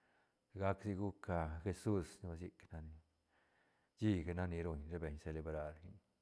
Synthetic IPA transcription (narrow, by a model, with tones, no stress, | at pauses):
ɡa˦ksi˦ɡu˦ka˧xe˧su˦sni˦ba˧s̬i˧kna˧ni˧ | d͡ʒi˦ɡa˧na˦ni˧ɾo˧ɲɾe˦be˨ɲse˧le˧bɾa˧ɾi˦ɲ